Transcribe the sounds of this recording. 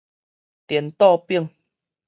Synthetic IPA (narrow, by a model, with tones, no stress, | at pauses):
t̪jɛ˨˩nt̪ɔ˥˧pi˥˨ŋ